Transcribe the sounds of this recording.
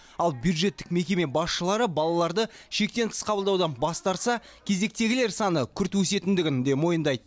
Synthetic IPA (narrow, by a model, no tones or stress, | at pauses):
ɑlˠbjud̪ʒe̞t̪ːɪ̥kme̞kʲe̞me̞bɑsʃəlˠɑɾəbɑlˠɑlˠɑɾd̪əʃe̞k̚t̪e̞nt̪ʰɪ̥sqʰɑbəlˠd̪ɑwd̪ɑnbɑst̪ɑɾt̪sɑ | kʲʰe̞ze̞k̚t̪e̞ɡʲɪle̞ɾsɑnəkʲʰʏɾt̪wɵse̞t̪ɪnd̪ɪɡʲɪnd̪e̞mo̞jənd̪ɑjd̪ə